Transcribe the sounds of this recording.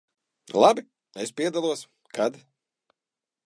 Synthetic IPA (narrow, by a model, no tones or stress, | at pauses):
lˠabi | espʲiɛd̪alˠuɔs | kad̪